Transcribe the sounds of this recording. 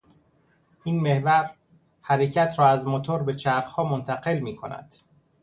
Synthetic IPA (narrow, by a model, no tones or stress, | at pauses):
ʔiːnmehvæɾ | hæɾecʰæt̪ʰɾɒːæzmot̪ʰoɾbe̞t͡ʃʰæɾxhɒːmont̪ʰæɢe̞lmiːkʰo̞næ̰d̪̥